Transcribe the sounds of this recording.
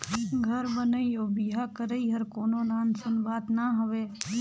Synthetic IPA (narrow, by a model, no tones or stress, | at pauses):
ɡʱəɾbənəioːbiːɦakəɾəiɦəɾkoːnonaːnsənbaːt̪naɦoʋeː